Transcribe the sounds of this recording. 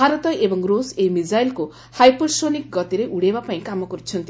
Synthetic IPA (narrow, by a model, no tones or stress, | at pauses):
bʱaɾɔt̪ɔʔebɔŋɾosejmid͡ʒajlku | hajposonik̚ɡɔt̪iɾeʔuɽebapaĩkamɔkɔɾut͡ʃʰɔnt̪i